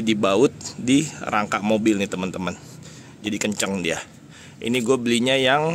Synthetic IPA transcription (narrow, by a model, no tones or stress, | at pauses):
dibaʊt̪̚diraŋkaʔmobɪlnɪt̪əmənt̪əmən | d͡ʒadikəɲt͡ʃəŋdia | ʔḭniɡuabəliɲajaŋ